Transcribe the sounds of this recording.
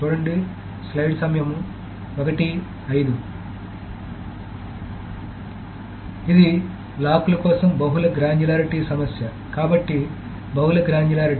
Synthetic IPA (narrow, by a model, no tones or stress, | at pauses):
t͡ʃuːɽɐɳɖi | slɐjɖsɐmjɐmu | ɔkɐʈi | ɐjid̪u | id̪i | laːpulɐkɔːsɐmbɐɦulɐɡɾaːnjulaːɾiʈisɐmɐsjɐ | kaːbɐʈːi | bɐɦulɐɡɾaːnjulaːɾi